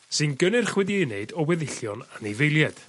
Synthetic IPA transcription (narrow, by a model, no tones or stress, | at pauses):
sɨnɡənɪrχwɛðieneɨdɔwɛðɪɬjɔnanevejlˠjɛd̥